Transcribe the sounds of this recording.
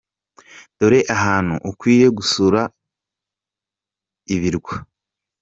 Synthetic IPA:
d̥oɾe̞ʔaɦaːn̥hṵʔukwiːje̞ɡusuɾa | iβiɾɡwa

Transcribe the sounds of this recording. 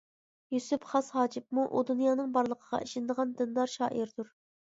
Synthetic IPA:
jusypχɑshɑːd͡ʒɪpmuʔud̪unjɑːnɨŋbɑɾlˠəqʰəʁɑ̰ʔiʃɪnɪd̪əʁɑnd̪ɨnd̪ɑɾʃɑ̰ːʔiɾd̪uɾ

